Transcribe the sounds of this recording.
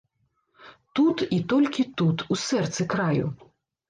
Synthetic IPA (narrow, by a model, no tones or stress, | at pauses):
t̪ut̪it̪ɔlʲkʲit̪ut̪usɛrt̪sɨkɾajṵ